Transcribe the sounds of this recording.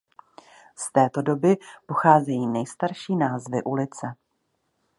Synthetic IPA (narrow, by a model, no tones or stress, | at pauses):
st̪ɛːt̪o̞do̞bɪpo̞xaːzɛjiːnɛjst̪aɾʃiːnaːzvɪʔulɪt͡sɛ